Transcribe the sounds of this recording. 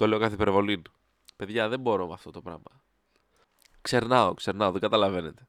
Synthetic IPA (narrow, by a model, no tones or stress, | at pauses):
t̪o̞le̞o̞kɐθipeɾvo̞lin | pe̞ðʝɐðe̞mbo̞ɾo̞mɐ̰ft̪o̞t̪o̞pɾɐ̰mɐ | kse̞ɾnɐokse̞ɾnɐo̞ðeŋɡɐt̪ɐlɐve̞ne̞t̪e̞